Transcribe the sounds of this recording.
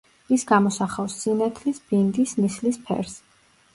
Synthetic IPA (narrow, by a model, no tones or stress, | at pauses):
isɡamɔsaχafsːinat̪ʰlisb̥ind̪ismislispʰɛ̰ɾs